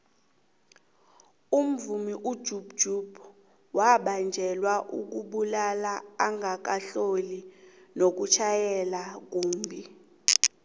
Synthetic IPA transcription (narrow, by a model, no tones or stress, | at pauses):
um̩vumiʔud̥d͡ʒ̥ʱub̥̚d͡ʒ̥ʱub | waɓand͡ʒʱɛlwaʔuk̬uɓulalaːŋɡʱak̬aɬoli | nok̬ut͡ʃʰajɛlak̬uːmbʱi